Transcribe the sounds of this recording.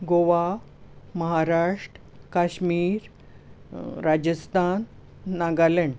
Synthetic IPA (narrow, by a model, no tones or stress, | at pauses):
ɡoʋa | məɦaɾaʂʈəkaɕmiːɾ | ɾad͡ʑəst̪ʰanː | aɡaleɳɖ